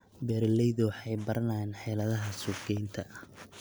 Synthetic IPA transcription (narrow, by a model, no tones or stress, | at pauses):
bɛːɾlɛjðʊwħɑjbɐɾɐnaːnħɛːlɐðɐɦɐsʊɡɛjnt̪ʰɐʔɐh